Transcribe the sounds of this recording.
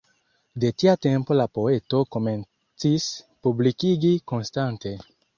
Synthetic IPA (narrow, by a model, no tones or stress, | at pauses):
det̪iat̪empolapoet̪okomẽn | t͡sispublikiɡikonst̪ant̪e